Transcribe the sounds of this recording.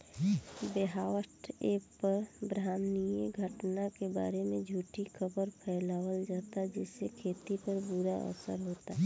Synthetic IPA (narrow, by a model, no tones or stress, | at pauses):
beɦaːwəʈeːppəɾbɾaːmnijəɡʱəʈnakeba̰ːɾemẽd͡ʒʱuːʈikəbəɾpʰɛːlaːwəld͡ʒaːt̪ad͡ʒɪsːekʰeːt̪ipəɾbʊɾaʔə̰sə̰ɾɦoːt̪a